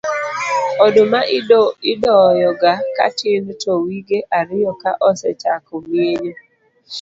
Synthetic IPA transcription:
ɔdomaɪdɔjɔɡaka̰tɪntɔwiɡeʔaɾɪjɔka̰ʔɔsɛ̰t͡ʃa̰kɔmeɲo

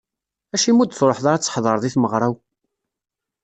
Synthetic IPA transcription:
æʃimud̪θɾˤoħðˤɑɾæt͡sːħðˤəɾˤðˤiθməʁɾˤaw

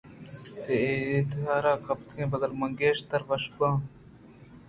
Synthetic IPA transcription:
seet̪ɦaːɾaːkʰɐp̚t̪kʰẽːbɐd̪ɐlmɐŋɡeːʃt̪ɐɾʋɐʃbãː

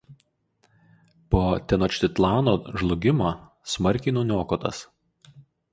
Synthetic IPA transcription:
poːt̪ʲɛnoːt͡ʃʲt̪ʲɪt̪lˠɑːnoːʒlˠʊɡʲɪmoː | smɐɾʲˑkʲɪnuːnʲoːkot̪ɐ̰s

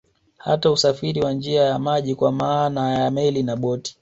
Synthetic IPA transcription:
ha̰tausafiɾiwand͡ʒiajamaʄikwamaːnajamɛlinaɓɔti̥

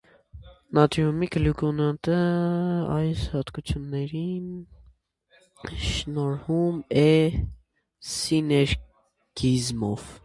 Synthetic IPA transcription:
nɑt̪jumikəlukɔnɑnt̪ə | ɑjshɑt̪kut͡sʰjunːɛɾin | ʃnɔɾhumɛ | sinɛɾ | ɡizmɔv

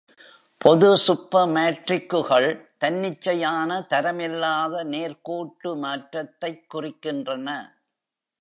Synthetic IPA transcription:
pʰɔðɯsʊpːɐmeːʈrɪkːɯɣɐɭt̪ɐnːɪt͡ʃːɐjaːnɐt̪ɐɾɐmɪlːaːðɐneːɾkoːʈːɯmaːʈɾɐt̪ːɐɪkːʊrɪkːɪndrɐnɐ

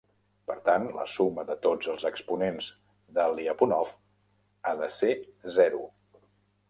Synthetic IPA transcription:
pəɾt̪anlə̰suməðət̪od͡zəlˠzəkspunenz | ðəliəpunɔf | aðəsezɛɾu

